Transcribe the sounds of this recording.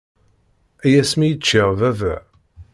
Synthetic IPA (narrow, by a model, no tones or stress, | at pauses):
æjæsmijət͡ʃːɪʁvævæ